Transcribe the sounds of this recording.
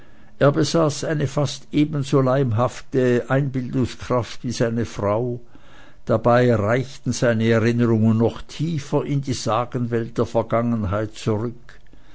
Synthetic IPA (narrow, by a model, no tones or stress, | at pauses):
ʔeːɐbəzaːsʔaɪnəfastʔeːbən̩zoːlaɪmɦaftəʔaɪnbɪldʊŋskʁ̥aftv̥iːzaɪnəfʁ̥aʊ | d̥abaɪʁaɪçtn̩zaɪnəɛʁɪnəʁʊŋənːɔχtʰiːfɐʔɪndiːzaːɡənvɛlt̚d̥eːɐfɛɐɡ̥aŋənɦaɪt̚t͡suʁʏk